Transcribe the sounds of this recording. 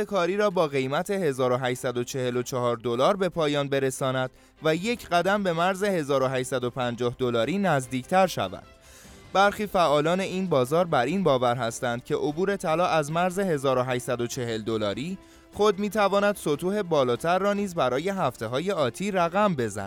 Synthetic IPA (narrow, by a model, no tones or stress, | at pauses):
ekʰɒːɾiːɾɒːbɒːɣe̞jmæt̪ʰe̞he̞zɒːɾo̞ɦæʃsæd̪o̞t͡ʃʰe̞he̞lo̞t͡ʃʰɒɦɒːɾd̪o̞lɒːɾbe̞pʰɒːjɒːnbe̞ɾe̞sɒːnæd̪̥ | væje̞cʰɢæd̪æmbe̞mæɾze̞he̞zɒːɾo̞ɦæʃsæd̪o̞pʰænd͡ʒɒːhd̪o̞lɒːɾiːnæzd̪iːcʰt̪ʰæɾʃæ̰væ̰d̪̥ | bæɾxiːfæʔɒːlɒːne̞iːnbɒːzɒːɾbæɾiːnbɒːvæɾɦæst̪ænd̪̥cʰe̞ʔo̞buːɾe̞t̪ʰælɒːʔæzmæɾze̞he̞zɒːɾo̞ɦæʃsæd̪ot͡ʃʰe̞ɦe̞ld̪o̞lɒːɾiː | χo̞d̪̚miːt̪ʰævɒːnæd̪̥sot̪ʰuːhe̞bɒːlɒːt̪ʰæɾːɒːniːzbæɾɒːje̞ɦæft̪e̞ɦɒːje̞ɒːt̪ʰiːɾæɣæmbe̞zæ̰